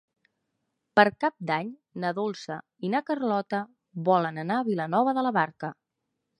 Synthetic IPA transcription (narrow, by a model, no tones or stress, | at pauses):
pəɾkap̚d̪aɲ | nəðolˠsə | inakərlɔt̪ə | βɔlənənaəβilənɔβ̞əðələβaɾkə